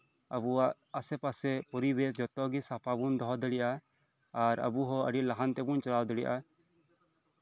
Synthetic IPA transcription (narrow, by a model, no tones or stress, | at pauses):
abu | asɛpasɛpɔɾibes̬d͡ʒɔt̪ɔɡisapabund̪ɔɦɔd̪ɛɽiʔa | aɾə̰buɦɔə̰ɖiʔlaɦant̪ɛbunt͡ʃɔɾawd̪ɛɽiʔa